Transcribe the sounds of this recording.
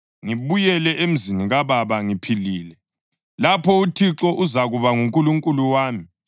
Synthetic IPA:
ŋiβujɛlɛʔem̩ziniɣaβaβaŋipʰiliːlɛ | lapʰɔutʰiǁɔʔuzaɣuβaŋuŋkʼuluŋkʼuluwaːmi

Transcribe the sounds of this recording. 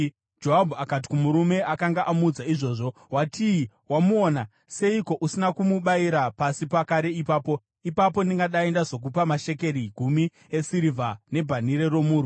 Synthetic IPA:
d͡ʒo̞ɦabʱuakat̬i̥kumuɾume̞ʔakaŋɡaʔamud͡zaiʐo̞ːʐo̞ | watʰii | wamuoːna | se̞iko̞ʔusinakumuɓaiɾapasipakaɾe̞ipaːpo̞ | ipapo̞niŋɡaɗae̞ndazo̞k̬upamaʃe̞ke̞ɾiɡʱumi | esiɾivʱane̞bʱaniɾe̞ro̞muːɾu

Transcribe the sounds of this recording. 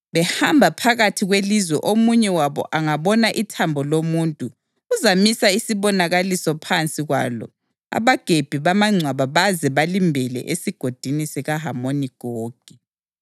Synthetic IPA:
βɛhambʱapʰaɣatʰiɣwelizwɛʔomuɲɛwaβɔ̰ʔaŋaβɔnaʔitʰambʱɔlomuːntʼuː | zamisaisiβɔnaɣalisɔpʰant͡sʼiɣwa̰lɔ̰ | a̰βaɡ̥ʱeb̥ʱiβamaŋ͡ǀʱwaβaβazɛβalimbʱɛlɛ̰ʔesiɡ̥ʱod̥ʱinisɛɣaɦamoniɡ̥ʱoːɡ̥ʱi

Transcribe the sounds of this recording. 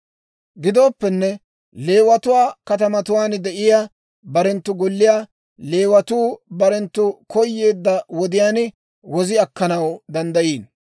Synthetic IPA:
ɡɪd̪o̞ːpːɛnːɛ | le̞ːwɐt̪ʊwaːkɐt̪ɐmɐt̪ʊwaːnd̪ɛʔɪja | bɐɾɛnt̪ːʊɡɔlːɪjaː | le̞ːwɐt̪uːbɐɾɛnt̪ːʊkɔjːe̞ːd̪ːɐwɔd̪ɪjaːn | wɔzɪɐkːɐnɐwd̪ɐnd̪ɐjiːn

